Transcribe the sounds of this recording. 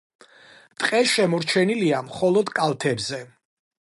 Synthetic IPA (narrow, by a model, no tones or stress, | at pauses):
mt̪ʼqʼɛʃɛmɔɾt͡ʃʰɛniliamχɔlˠɔd̪kʼalˠt̪ʰɛbzɛ